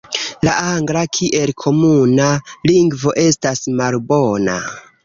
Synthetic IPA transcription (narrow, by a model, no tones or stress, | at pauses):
laaŋɡɾakʰiʔe̞lkʰo̞munaliŋɡvo̞ʔe̞stasmalbona̰